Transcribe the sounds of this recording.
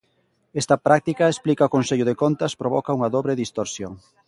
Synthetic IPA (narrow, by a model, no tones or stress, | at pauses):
est̪ɐpɾʔak̚t̪ikɐesplikɐokonseʎʊðekont̪ɐspɾoβɔkɐuŋɐðoβɾeðist̪oɾsjoŋ